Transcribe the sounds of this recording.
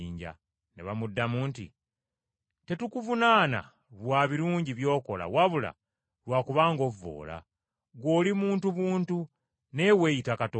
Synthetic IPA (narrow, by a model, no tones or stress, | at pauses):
iːɲɟa̰ | neβamudːamuntḭ | te̞tukuvunaːna̰ | βwaːβiɾuːɲɟiβjo̞ːko̞la̰waβula̰ | lwaːkuβaːŋɡo̞vːo̞̰ːla̰ | ɡo̞ːlimuːntuβuːntu | ne̞we̞jitakato